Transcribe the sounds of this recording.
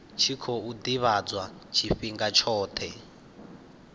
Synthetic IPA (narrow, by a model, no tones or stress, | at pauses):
t͡ʃʰikʰɔud̪iβad͡zwat͡ʃʰiɸiŋɡat͡ʃʰɔːt̪ʰɛ